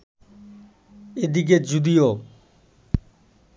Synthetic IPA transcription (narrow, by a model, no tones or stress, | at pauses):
ed̪ik̬ed͡ʑud̪ijo